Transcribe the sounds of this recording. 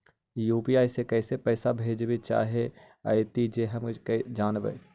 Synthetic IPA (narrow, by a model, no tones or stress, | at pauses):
juːpiaːisekɛːsepɛːsabʱeːd͡ʒbit͡ʃa̰ːɦe | a̰jt̪id͡ʒeɦəmkd͡ʒaːnbə̰